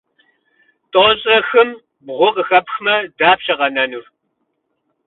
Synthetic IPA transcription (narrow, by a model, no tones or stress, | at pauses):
tʼoːɕʼɐxɨm | bʁʷʊqəxɐpxmɐdaːpɕɐʁɐnɐnur